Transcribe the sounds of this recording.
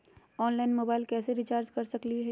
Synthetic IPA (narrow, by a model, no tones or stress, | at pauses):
ɔːnlaːɪnmoːbaːɪlkɛːseɾɪt͡ʃaːɾd͡ʒkɐɾsɐkliɦɛ